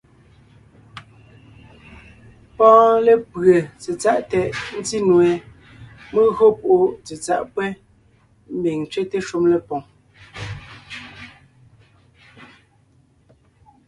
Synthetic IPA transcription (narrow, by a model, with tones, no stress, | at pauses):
pɔ̃ː˦le˨pɣə˨t͡se˨t͡sa˦˨ʔtɛ˨ʔn̩˦ti˦nwe˨ | me˦ɣo˦po˨ʔo˦t͡se˨t͡sa̰˨ʔpwɛ˦ | m̩˦bi˨ŋ˨t͡ʃɥe˦te˦ʃu˦mle˨pɔ˨ŋ